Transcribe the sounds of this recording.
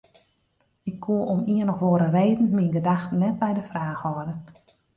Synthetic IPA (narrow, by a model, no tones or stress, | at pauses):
ɪkʰːuəʔɔmiənɔxʋoːəɾəreːdn̩miənɡədaxtənːɛt̚bɛjdəfraːxhɔdə